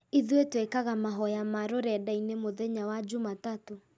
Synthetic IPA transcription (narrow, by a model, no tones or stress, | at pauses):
iðwetwekaɣamaɦɔjamaɾoɾɛdainemoðɛɲawad͡ʑumatato